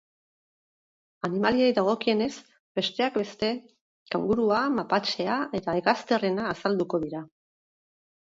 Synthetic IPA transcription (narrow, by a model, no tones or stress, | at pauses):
animaliejðaɣ̞o̞kie̞ne̞z | be̞st̪e̞akbe̞st̪e̞ | kawŋɡuɾuamapat͡ʃe̞ae̞t̪aeɣast̪e̞re̞naːsald̪uko̞ð̞iɾa